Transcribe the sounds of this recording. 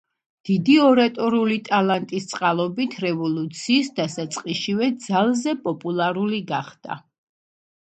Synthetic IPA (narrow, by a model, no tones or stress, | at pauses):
d̪̥id̪iɔɾat̪ʼɔɾiulit̪ʼalˠant̪ʼist̪sʼqʼalˠɔbit̪ʰɾɛvɔlˠut̪sʰiːsd̪asat̪sʼqʼiʃivɛd̪z̥alˠzɛpʼɔpʼulˠaɾuliɡaχd̪̥a̰